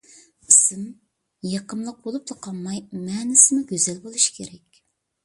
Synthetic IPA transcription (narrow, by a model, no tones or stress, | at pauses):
isɪm | jɑqəmlˠəq̚bolˠup̚t̪əqʰɑlˠmːɑjmɛːnɪsɪmɪɡʲøzælbolˠuʃi̥kʲʰeɾɛkʲ